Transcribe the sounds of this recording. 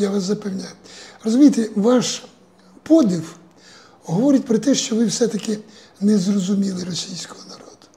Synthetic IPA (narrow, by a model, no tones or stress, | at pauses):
jaʋɑs̬zɐpewnʲajʊrɔzʊmʲijt̪eʋɑʃ | pɔd̪ʲɪw | ɦɔʋɔɾʲɪtʲpɾɔt̪ɛʃt͡ʃɔʋɪwsɛt̪ɐkɪ | nɛzrɔzʊmʲilˠɪrɔsʲijsʲkɔ̥ɦɔnɐɾɔd̪̥ʊ̥